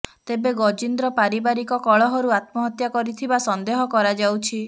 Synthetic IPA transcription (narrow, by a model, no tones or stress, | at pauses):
t̪ebeɡɔd͡ʒind̪ɾɔpaɾibaɾikɔkɔɭɔɦɔɾuat̪̚mɔɦɔt̪jakɔɾit̪ʰibasɔnd̪eɦɔkɔɾad͡ʒawt͡ʃʰi